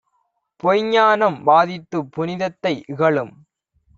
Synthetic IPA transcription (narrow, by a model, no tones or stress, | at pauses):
pɔjɲaːnɐmbaːðɪt̪ːɯpːʊnɪðɐt̪ːɐɪʔɪɣɐɭɯm